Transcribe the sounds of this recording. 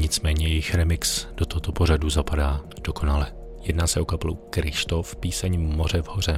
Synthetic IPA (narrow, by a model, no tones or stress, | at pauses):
ɲɪt͡smɛːɲɛjɛjɪxɾɛmɪksd̥ot̪oɦot̪o̞po̞ɾ̝aduzapadaːd̥o̞ko̞nalɛ | jɛdnaːsɛʔokaplukɾɪʃt̪o̞fpiːsɛɲmo̞r̝ɛvho̞r̝ɛ